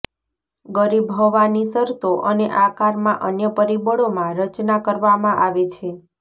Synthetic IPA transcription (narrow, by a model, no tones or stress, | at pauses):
ɡəɾibɦoʋanisəɾt̪oʔəneʔakaɾmãʔənjəpəɾibəɭomãɾət͡ʃnakəɾʋamãʔaʋet͡ʃʰe